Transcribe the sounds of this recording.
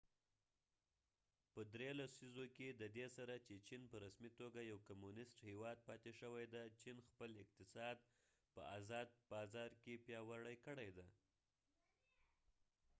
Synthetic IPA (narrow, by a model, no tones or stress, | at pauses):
pəd̪ɾelasizoked̪əd̪esaɾat͡ʃet͡ʃinpəɾasmit̪oɡajawkamunɪsʈhewɑd̪̚pɑt̪eʃəwajd̪at͡ʃinxpəlɪq̚t̪ɪsɑd̪ | pə̰azɑd̪̚bɑzɑɾkepjɑwaɽəjkəɽajd̪aj